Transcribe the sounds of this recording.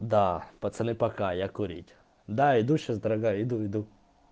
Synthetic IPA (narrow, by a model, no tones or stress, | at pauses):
d̪apɐt̪sɐnɪpɐkajakʊɾʲḭtʲ | d̪aid̪uʃazd̪ɐɾɐɡajʊid̪uid̪u